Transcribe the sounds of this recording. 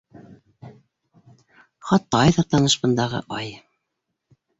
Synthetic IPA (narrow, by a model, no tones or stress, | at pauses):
χɑt̪ːɑjðɤɾt̪ɑnɤ̆ʃbɤ̆nd̪ɑʁɤ̰ʔɑj